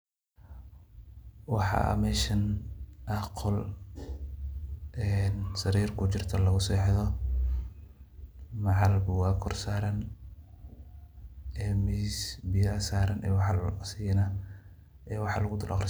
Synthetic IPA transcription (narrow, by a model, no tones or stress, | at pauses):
wɑħɑ̰mɛːʃɐnʔɐqʰɔl | ɛnsɐɾiːrkʰʊt͡ʃɪrt̪ʰɐlɐɣʊsɛːħðɔ | mɑʕɑlbʊwɑːkʰɔrsaːɾɐn | ɛːmisbɪjɐsaːɾɐnʔɛ̰ːwɑħɑlsinɐ | ʔɛːwɑħɑ̰lɐɣʊd̪ʊlʔɐ̰qr